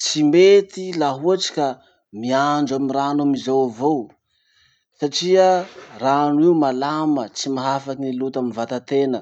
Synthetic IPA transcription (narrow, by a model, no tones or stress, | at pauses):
t͡simet̪ilaɦuaʈ͡ʂi̥ka | miaɳd͡ʒamiranamizawavow | saʈ͡ʂiəranwiumalamət͡simaɦafakinilut̪aminvat̪at̪enə